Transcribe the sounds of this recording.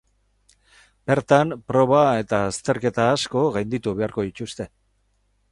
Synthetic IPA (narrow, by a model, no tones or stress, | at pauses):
be̞ɾt̪ampɾo̞β̞ae̞t̪aːst̪e̞ɾke̞t̪aːsko̞ɣajnd̪it̪uβe̞aɾko̞ðit͡ʃust̪e̞